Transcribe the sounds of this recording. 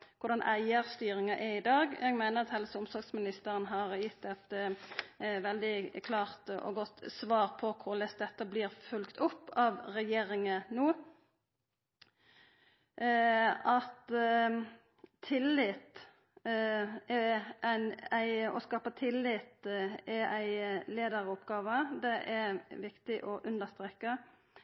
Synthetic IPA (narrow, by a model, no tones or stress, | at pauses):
kʰʊʁd̪ɑnʔæɪəʁst̪yːɾɪŋɑʔɪɪd̪ɑːɡjɛɡmæɪnəʁɑt̪hɛlsʊmsɔɾɡsmɪnɪst̪əʁənɦɑʁjɪt̪ːɛt̪ | ʋɛld̪ɪkʰlɑːʁt̪ɔ̰ɡɔt̪sʋɑːʁpʰɔkʰʊʁlɛs̚d̪ɛt̪ːəblɪːʁfʉlkt̪ʰʊpːɑʋʁɛjeːɾɪŋənoː | ɑt̪ | t̪ʰɪlːɪt̪ | ɛænæɪɔskɑːpət̪ʰɪlːɪt̪ɛʔæɪleːd̪əʁʊpɡɑːʋəd̪ɛʔɛɾʋɪkt̪ɪʔɔʔʉnd̪əʁst̪ʁɛːkːə